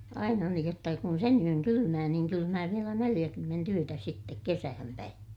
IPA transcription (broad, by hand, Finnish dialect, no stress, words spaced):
ɑinɑ niːj jotːɑ kun sen yøn kylymæː niːŋ kylymæː ʋielæ nelij̆ækymːent yøtæ sitːek kesæhæm pæin